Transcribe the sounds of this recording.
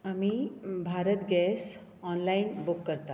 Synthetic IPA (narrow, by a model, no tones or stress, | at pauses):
amibʱaɾət̪ɡɛs | ɔnlainbukːəɾt̪a